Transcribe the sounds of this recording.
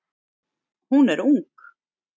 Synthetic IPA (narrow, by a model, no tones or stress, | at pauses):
hunɛɾuŋk